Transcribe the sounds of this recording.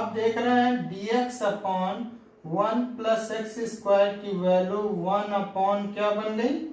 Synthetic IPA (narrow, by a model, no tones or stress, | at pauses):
ap̚d̪eːkʰɾɐɦeɦɛ̃ɖiːeksɐpaːn | ʋɐnplɐseksɪskwaːlɪʈiʋɛːluʋɐnɐpaːnkjaːbɐnlei